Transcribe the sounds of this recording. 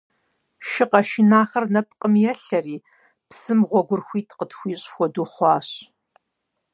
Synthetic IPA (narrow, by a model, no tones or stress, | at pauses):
ʃɪqɐʃɪnaːxɐrnɐp̚ʰqʼəmjɛɬɐriː | psɨmʁʷɔɡʷʊrxʷiːtʰqətʰxʷiːɕʼxʷɔduːχʷɑːɕ